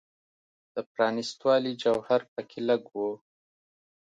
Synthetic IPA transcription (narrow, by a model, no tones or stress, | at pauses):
d̪̥əpɾɑnɪst̪wɑlid͡ʒawhaɾpəkʰɪlaɡwo